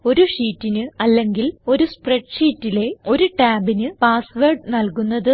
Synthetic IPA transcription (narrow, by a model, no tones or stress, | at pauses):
o̞ɾuʂiːtːinɨɐlːe̞ŋɡilo̞ɾuspreʈʂiːtːile̞o̞ɾuʈaːbinɨpaːsʋerɖnɐlkunːɐðɨ